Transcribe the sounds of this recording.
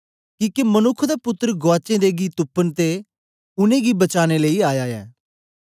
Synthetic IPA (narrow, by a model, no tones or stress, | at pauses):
kiːkemənʊkʰːd̪aːpʊt̪ːəɾɡoaːt͡ʃẽd̪eɡit̪ʊpːənt̪e | ʊnẽːɡibət͡ʃaːneləiaːjaːjɛ̰ː